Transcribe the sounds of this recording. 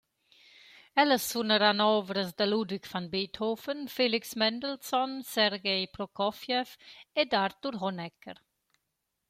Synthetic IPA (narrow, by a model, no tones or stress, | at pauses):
ɛləsːunəɾanɔːvɾəsd̪əlud̪ikfanbeːt̪hofənfeliksmɛnd̪əlsɔnsɛɾɡejpɾɔkɔfjɛfed̪aɾt̪uɾɦɔnɛkːəɾ